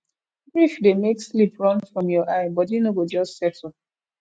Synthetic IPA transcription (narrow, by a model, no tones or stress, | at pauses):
bɹifdemekslipɹɔ̃nfɹɔ̃mjɔʔaɪbɔtjunoɡod͡ʒɔstsɛtɔp̚